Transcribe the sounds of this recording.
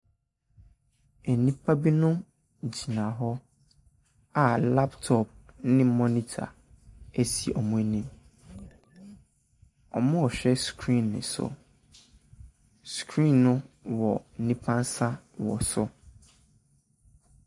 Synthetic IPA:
e˨nĩ˦pʰa˦bi˦nʊ̃˦ | d͡ʑi˨nã˨ɦɔ˦ | a˨la˦ptʰɔ˦p̚nɪ̃˦mɔ̃˦nĩ˦tʰa̰˨ | e˦si˨ʔɔ˨mũ˦e˦nĩ˦m | ɔ̰˨mʊ̃˦ɔ˨ɕᶣɛ˦skʰɾĩ˦˨nːɪ̰̃˨sʊ̰˨ | skʰɾĩ˦˨nːʊ̃˦wɔ˨n̩˨nĩ˦pʰã˦n˦sa˦ | wɔ̰˨sʊ˦

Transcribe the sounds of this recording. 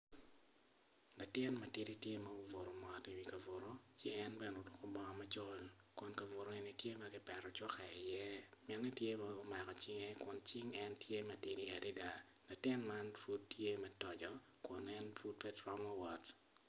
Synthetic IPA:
la˨tɪ˦nmɐ˨tɪ˦ɾi˦tje˦mɐ˦o˨vo˨ɾo˨mɔ˨ti˨wi˦kɐ˨vo˨ɾo˦t͡ʃɪ˦ŋɛ˦nbɛ˨no˨dʊ˦kɔ˦bɔ˨ŋ˨mɐ˦t͡ʃo˦l | kʊ˨nka˨vo˨ɾo˦e˨ni˨tje˦mɐ˦ɡɪ˦pɛ˨ɾɔ˨t͡ʃɔ˦ka˨i˨jɛ˦mɛ˨nnɛ˦tje˦mɛʊ˦ma˨kɔ˨t͡ʃɪ˦ŋe˦kʊ˨nt͡ʃɪ˦ŋɛntje˦mɛ˦tɪ˦ɾi˦a˨di˦da˨la˨tɪ˦nma˦nfu˦tːje˦mɛ˦tɔ˨d͡ʒɔ˦ | kʊ˨nɛ˦nfu˦t̚pɛ˦dɾɔ˦mɔ˦wɔ˨t

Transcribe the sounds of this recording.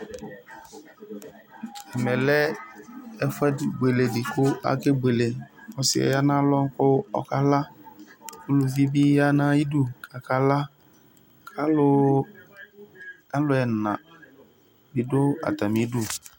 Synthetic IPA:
ɛ˨mɛ˨lɛ˦ | ɛ˨fʊ˦ɛ˦˨ɡ͡be˨le˨dɪ˨kʊ˦a̰˦ke˦ɡ͡be˨le˨ɔ˨sɪ̰˨ɛ̰˨ja˦nã˦lɔ˦ŋ˦kʊ˦ɔ̰˦ka˦la˦ | ku˦lʊ˨vi˦bi˦ja˦nã˦i˦du˦˨kʰa˨ka˨la˦ | kʰa˦lʊ˦ | a˦lʊ˨˦ɛ˨nã˨ | bi˨dʊ˦a̰˨ta˨mi˨˦du˦˨

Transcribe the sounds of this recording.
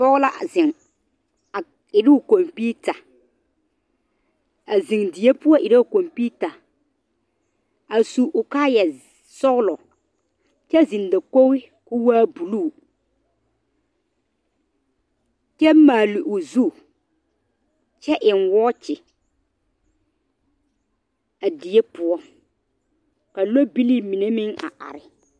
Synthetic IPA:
pɔ˦ɣla˦ʔa̰˨zɪ˨ŋ | a˨ | ɪ˨ɾɪ˦ʊ˨ko˨mpiː˦ta˨ | a˨zi˨ŋdɪ˨˦e˦pʊ˦ɔ˦ʔɪ˨ɾa˦ʊ˨ko˨mpiː˦ta˨ | a˨su˨ʔʊ˨kaː˦jɛ˨ | sɔ˦ɣlɔ˨ | t͡ʃɛ˦˨zi˨n˨da˨ko˦wɪ˦ | kʊ˦waː˦bu˨lu˦˨ | t͡ʃɛ˦maː˨lɪ˨ʔʊ˨zu˦˨ | t͡ʃɛ˦ʔɪ˨nwɔː˦t͡ʃɪ˨ | a˨di˨e˦pʊ˨˦ɔ˦ | ka˨lo˦bi˦li˦mi˨ne˦mɪ˦ŋa̰˨ʔa̰˨ɾɪ˨

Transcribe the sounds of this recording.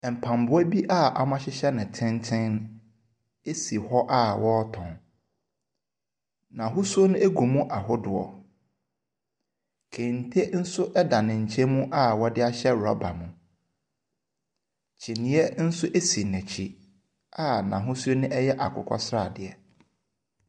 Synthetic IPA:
m̩˨pʰã˨m˨bʊ˦ɔ˦bi˦ʔa˦˨ʔa˨mã˦ɕɪ˦ɕɛ˦nɪ̃˨tʰɪ̃˦ntʰɪ̃˦n | e˦si˨hɔ˦ʔa˦wɔ˦tʰɔ̃˨n | nã˨ɦʊ˦su˦o˦nʊ̃˦e˦ɡu˨mũ˦ʔa˨ɦʊ˦dʊ˨ɔ̰˨ | kʰẽ˨n̩˨tʰe˦n̩˦sʊ˦ʔɛ˦da˨nɪ̃˨ɲ̩˨t͡ɕʰe˦mũ˦ʔa˦˨wɔ˦dɪ˦a˦ɕɛ˦ɾɔ̰˦ba̰˨mũ˨ | t͡ɕʰi˨nɪ̃˨˦ɛ˦n̩˦sʊ˦ʔe˦si˨nɛ̃˨t͡ɕʰi˨ | a˦˨nã˨ɦʊ̃˦su˦o˦nɪ̃˦ʔɛ˦jɛ˦ʔa̰˨kʰʊ̰˨kʷʰɔ̰˦sɾa˦˨dɪ˨ɛ˨

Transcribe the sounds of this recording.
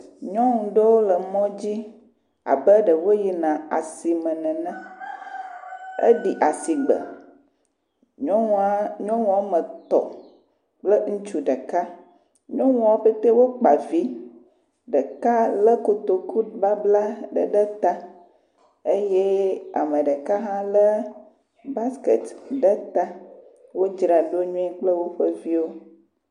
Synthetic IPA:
ɲɔ̃˦ŋũ˨ɖə˦wo˦lə˨mɔ̃˦d͡ʑi˦ | a̰˨bə˦ɖə˨wo˦ji˨nã˨a̰˨si˨mə̃˨nɛ̃˨nɛ̃˦ | ḛ˦ɖi˨ʔa˨si˨ɡ͡bə̰˨ | ɲɔ̃˦ŋũ˦a˦ɲɔ̃˦wũ˨a˨mə̃˨t̪ɔ̰˨ | k͡plə˦ŋũ˦t͡ʃu˦ɖə˨ka˦ | ɲɔ̃˦wũ˦a˦ɸe˦t̪e˦wo˦k͡pa˨vi˦ | ɖə˨ka˦lə˦ko˨t̪o˨ku˦ba˦bla˦ɖə̰˨ɖə˦t̪a˦ | e˦je˦a̰˨mə̃˨ɖə˨ka˦ɦã˦lə˦ | ba˦skḛ˨t̪ɖə˦t̪a˦ | wo˦d͡ʒɾa˨ɖo˦ɲũ˦ɛ˦k͡plə˦wo˦ɸə˦vi˦wo˦

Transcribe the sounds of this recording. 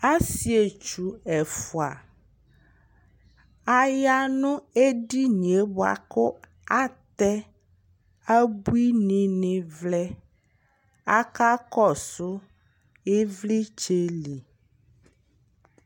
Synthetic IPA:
a˦si˨e˨t͡ʃu˨ɛ˨fu˨a̰˨ | a˦ja˦nũ˦e˦ɖi˦ɲ˨e˨ba̰˨ko˦ | a˦t̪ɛ˦ | a˦bu˦i˦nĩ˨nẽ˨vlɛ˦ | a˦ka˦kɔ˦˨sʊ˦ | e˦vli˦t͡ʃe˦li˨

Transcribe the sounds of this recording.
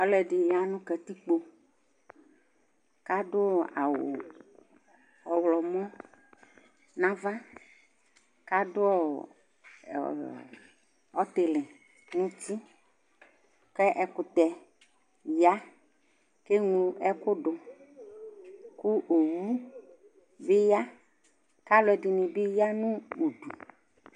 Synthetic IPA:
ɔ˦lɛ˨ɖi˨ja˨nũ˦kɛ˨t̪i˦k͡po˨ | ka˦ɖʊ˦˨a̰˨wo̰˨ | ɔ˨wlɔ˨mɔ̃˦ | nã˦va˦ | ka˦ɖʊ˦ɔ˦˨ | ɔ˦t̪e˨lɪ˨ | nũ˦ti˦ | kɛ˦ʔɛ˨kʊ˨t̪ɛ˨ | ja˦ | ke˦ŋlu˦ʔɛ˦kʊ˦ɖʊ˨ | ku˦ʔo˨wu˦ | be˦ja˦ | ka˦lʊ˨˦ɛ˨dɪ˨nĩ˨be˦ja˦nũ˦u˨ɖu˨

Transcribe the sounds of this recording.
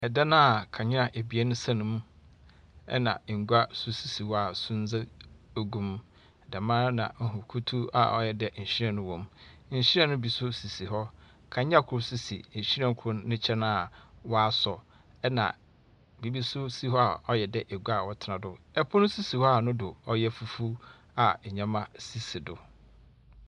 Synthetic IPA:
ɛ˨da˦nã˦˨kʰã˨ɲɪ˦a˨ʔe˨bi˨ɛ˦nʊ̃˦sã˦nʊ̃˦m˦ | ɛ̰˦nã̰˨ŋ̩˨ɡu˦a˦sʊ˦si˨si˨wɔ˦a˨sʊ̃˦n˦d͡za˦o˦ɡũ˦m˦˨ | da˨mãː˦nã̰˨ŋ̩˨ɦʊ˨kʰu˦tʰu˦a̰˨ʔɔ̰˦jɛ˨dɛ˨ɲ̩˨ɕi˦ɾã˨nʊ̃˦wɔ̃˨mɲ̩˨ɕi˦ɾɛ̃˦nʊ̃˦bi˨sʊ˦si˨si˨ɦɔ˦ | kʰã˨ɲ˦ã˦kʰʊ˦ɾʊ˦si˨sḭ˨ɲ̩˨ɕi˦ɾã˦˨ŋ˦kʰʊː˦ɪ̃˦t͡ɕʰɛ˦nã˦a˨wɔ˦a˦sɔ˨ | ɛ˦nã̰˨ | bi˨bi˦sʊ˦si˦ɦɔ˦a˨ɔ˦jɛ˨dɛ˦ʔe˨ɡu˦a˨wɔ˦tʰɪ˨nã˨dʊ˦ɛ˦pʰʊ˦nʊ̃˦si˦si˨hɔ˦a˦˨nʊ̃˦dʊ˨ɔ˦jɛ˦fu˨fu˦ | a˨ɲã˦mã˦si˦si˨dʊ˨

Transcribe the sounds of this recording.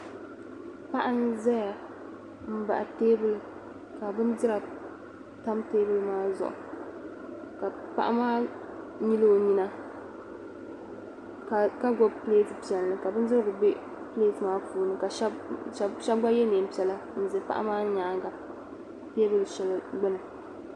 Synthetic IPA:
pa˦ʔa˦n˦zɛ˦ja˨ | m̩˦ba̰˨ʔa˨teː˦bɨ˨lɨ˨ | ka˨bɨ˦ndɨ˦ɾa˨ | ta˦mteː˦bɨ˦lɨ˦maː˦zʊ̰˨ʔʊ̰˨ | ka˨pa̰˦ʔa˦maː˦ | ɲi˦lo˦o˦ɲi˦na˦ | ka˨ka˦ɡɔ˦bpleː˦tɨ˨pi˨ɛ˨lːɨ˨ka˨bɨ˦ndɨ˦ɾɡʊ˨be˦ | ple˦˨tɨ˨maː˦fuː˨˦nɨ˦ka˨ʃa˦ʃa˦bɡ͡ba˦jɛ˦neː˨m˨pi˨ɛ˨la˦˨n̩˨zɨ˨pa̰˦ʔa̰˦maː˦ɲa˨˦ŋɡa˨ | teː˦bɨ˨lɨ˨ʃɛ˨lɨ˦ɡ͡bɛ˦nɨ˨

